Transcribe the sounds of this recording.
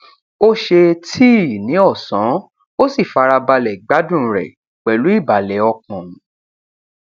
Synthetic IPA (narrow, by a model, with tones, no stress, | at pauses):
o˦ʃe˧tʰiː˦˨nĩ˨˦ɔ˦˨sã˨˦ | o˦si˦˨fa˧ɾa˧ba˧lɛ˨ɡ͡ba˨˦dũ˦˨˦ɾɛ̰˨ | k͡pɛ˨lu˨˦i˦˨ba˨lɛ˨˦ɔ˧kɔ̃˨˦